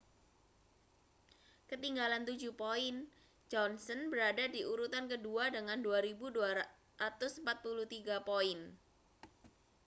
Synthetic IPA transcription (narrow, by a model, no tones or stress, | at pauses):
kət̪iŋɡalant̪ud͡ʒupoɪn | d͡ʒɔnsənbəɾadadiʔuɾut̪ankəduadəŋanduaɾibudua | ɾat̪ʊsəmpat̪̚pulut̪iɡapoɪn